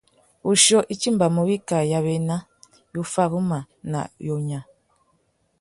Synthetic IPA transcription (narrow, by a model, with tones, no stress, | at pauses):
u˨ʃo˦ʔi˨ci˦mba˨mu˨βi˦ka˨ja˨βe˨na˦ | ju˦fa˦ɣu˦ma˨ | na̰˨jo˨ɲa˨